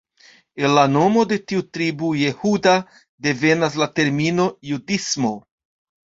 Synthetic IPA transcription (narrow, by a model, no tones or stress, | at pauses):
e̞nlano̞mo̞de̞tiutɾibuje̞huda | de̞ve̞nas̬late̞ɾmino̞judismo̞